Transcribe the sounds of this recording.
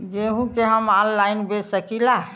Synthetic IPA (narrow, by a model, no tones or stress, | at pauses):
d͡ʒeɦũkeɦəmɔ̃nlaɪnbesəkila